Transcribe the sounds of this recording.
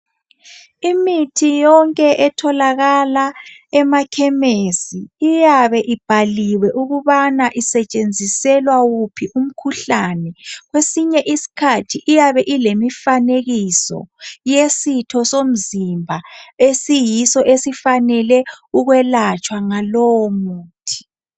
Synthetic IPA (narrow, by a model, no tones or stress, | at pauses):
imitʰijɔŋkʼɛʔɛtʰɔlaɣalaɛmakʰɛmesiːjaβɛʔib̥ʱaliwɛʔuɣuβanaʔisɛt͡ʃʼend͡zʱisɛlwawupʰiʔum̩kʰuɬanɛɣwesiɲɛʔisi̥kʰatʰiʔijaβɛʔilemifaneɣisɔ̰jesitʰɔsom̩zimbʱaesijisɔʔesifanɛlɛuɣwɛlat͡ʃʼwaŋalɔwɔmuːtʰi̥